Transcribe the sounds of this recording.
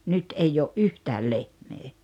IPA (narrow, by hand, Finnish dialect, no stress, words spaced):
nyt eij oːʔ ʔyhtæːl lehmeː